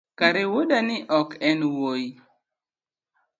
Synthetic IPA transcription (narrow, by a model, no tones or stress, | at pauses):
kaɾɪwʊdanɪʔɔkɛnwoji